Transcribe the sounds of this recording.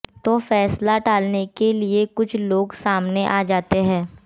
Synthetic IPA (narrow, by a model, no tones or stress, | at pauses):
t̪oːfɛːslaʈaːlnekeliekʊt͡ʃʰloːɡsaːmneʔaːd͡ʒaːt̪eɦɛ̃ː